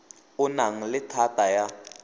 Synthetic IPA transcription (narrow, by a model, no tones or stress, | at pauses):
unaŋ̩lɪtʰatʼaja